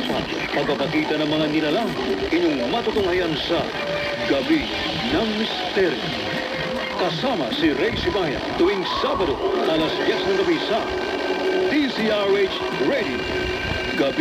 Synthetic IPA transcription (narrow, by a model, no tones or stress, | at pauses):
pɐɡ̚papɐkit̪ɐnɐŋmɐŋanilɐlaŋ | ɪɲoŋmɐt̪ut̪ʊŋajansɐ | ɡɐbi | nɐŋmist̪ɛɾjo̰ | kɐsamɐsiɾɛjsibajɐ̰t̪ʊwiŋsabɐd̪oɐlasdjɛsnɐŋkɐbisɐ | t̪isiaɹet͡ʃ | ɹɛd̪io | ɡɐb